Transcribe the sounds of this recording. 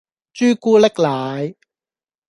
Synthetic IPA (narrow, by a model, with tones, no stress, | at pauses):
t͡ʃyː˥kuː˥lɪ˥k̚laː˨j